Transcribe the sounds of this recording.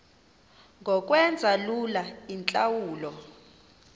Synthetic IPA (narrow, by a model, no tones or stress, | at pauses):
ŋɡʱɔk̬ʼwɛnd͡zʱalulaint͡ɬʼawuːlɔ